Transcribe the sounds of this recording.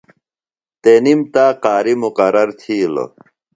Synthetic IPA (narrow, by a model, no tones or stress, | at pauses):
t̪enimt̪aːqaːɾimuqɐɾɐɾt̪ʰiːlo̰